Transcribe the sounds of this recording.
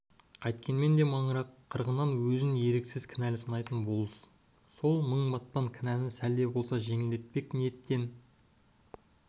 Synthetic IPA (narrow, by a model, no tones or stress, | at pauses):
qʰɑjt̪kʲe̞nme̞nd̪e̞mɑɴəɾɑqʰːəɾʁənɑnwɵzɪnje̞ɾe̞ksɪzkʲʰɪnælɪsənɑjt̪ənbo̞lˠəs | so̞lˠməɴbɑt̪̚pɑŋkʲʰɪnænɪsæld̪e̞bo̞lˠsɑʒe̞ŋɪld̪e̞t̪̚pe̞knejet̪ːe̞n